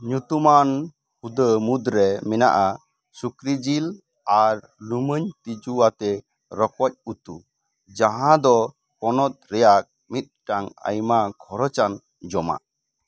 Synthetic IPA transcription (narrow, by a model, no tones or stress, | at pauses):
ɲut̪uman | hud̪əmud̪ɾɛmɛna̰ʔa | sukɾid͡ʒil | aɾ | luməɲt̪id͡ʒuat̪ɛ | ɾɔkɔc̚ut̪ṵ | d͡ʒaɦãd̪ɔ | kɔnɔt̪̚ɾɛjak̚ | mit̪̚ˀʈaŋə̰jmakʰɔɾɔt͡ʃan | d͡ʒɔma̰